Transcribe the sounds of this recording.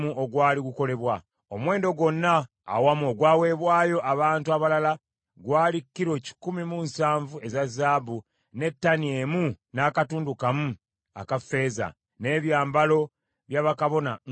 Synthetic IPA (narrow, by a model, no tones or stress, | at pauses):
muʔo̞ɡwaːliɡuko̞le̞βwa | o̞mwe̞ːndo̞ɡo̞nːa̰ː | wamuoɡwaːwe̞ːβwaːjo̞ʔaβaːntuaβalala | ɡwaːlikːiɾo̞ci̥kumimunsaːɱvue̞zazaːbu | ne̞tːanie̞mu | naːkatuːndukamu | a̰kafe̞ːza̰ | ne̞ːβjaːmbalo̞ | βjaβakaβo̞na̰